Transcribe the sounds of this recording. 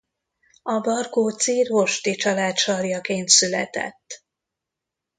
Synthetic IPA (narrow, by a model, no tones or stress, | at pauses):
ɒbɒrkoːt̪siːrɦoʃt̪it͡ʃɒlaːt̪ʃɒrjɒkeːnt̪sylɛ̰t̪ɛ̰t̪ː